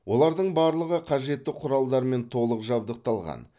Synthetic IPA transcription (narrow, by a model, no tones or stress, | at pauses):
wo̞lˠɑɾd̪əɴbɑɾlˠəʁəqʰɑʒe̞t̪ːɪqʰʊɾɑlˠd̪ɑɾme̞nt̪ʰo̞lˠəqʒɑb̚d̪əq̚t̪ɑlˠʁɑ̰n